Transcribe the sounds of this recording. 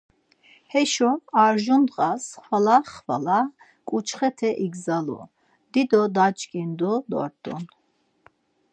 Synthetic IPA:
hɛʃɔaɾʒund̪ʁʼasχvalaχva̰la | kʼut͡ʃʰχɛt̪ʰɛʔiɡzalṵ | d̪̥id̪ɔd̪at͡ʃʼkʼind̪ud̪ɔ̰ɾt̪ʼṵn

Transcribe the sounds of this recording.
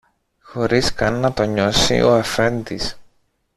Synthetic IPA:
xo̞ɾiskɐnːɐt̪o̞ɲo̞sḭʔo̞̰ɐfɾend̪is

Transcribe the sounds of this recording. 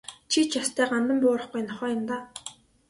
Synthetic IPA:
t͡ɕʰit͡ɕjast̪ʰæːɢant̪ə̆mpʊːɾə̆χɡujnɔχœːjɪ̆mt̪aː

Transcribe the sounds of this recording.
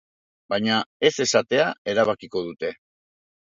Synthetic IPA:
bajɲae̞se̞sat̪e̞ae̞ɾaβakiko̞ðut̪e̞

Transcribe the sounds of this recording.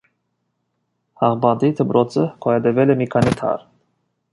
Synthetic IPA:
hɑʁbɑd̪it̪ʰəpɾɔt͡sʰəkʰɔɛd̪ɛvɛlɛmikʰɑnit̪ʰɑ̰ɾ

